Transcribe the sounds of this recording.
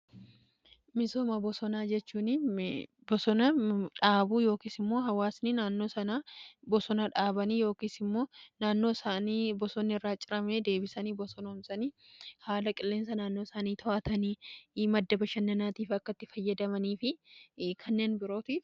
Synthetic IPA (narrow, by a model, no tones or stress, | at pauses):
mɪso̞ːmɐbɔsɔnaːd͡ʒɛt͡ʃːuːni | bɔsɔnɐᶑaːbuːjo̞ːkiːsɪmːo̞ːɦɐwaːsnɪnaːnːo̞ːsɐnabɔsɔnɐᶑaːbɐniːjo̞ːkiːsɪmːo̞ːnaːnːo̞ːsaːnibɔsɔnːɪɪrːaːt͡ʃʼɪɾɐmeːd̪e̞ːbɪsɐniːbɔsɔnɐʊmsɐniː | haːlɐkʼɪlːeːns̬ɐnaːnːo̞ːsaːniːt̪ʰɔʔɐt̪ɐniːmɐd̪ːɐbɐʃɐnːɐnaːt̪iːfɐkːɐt̪ːɪfɐjːɐd̪ɐmɐniːfɪkʰɐnːe̞ːnbɪɾo̞ːt̪if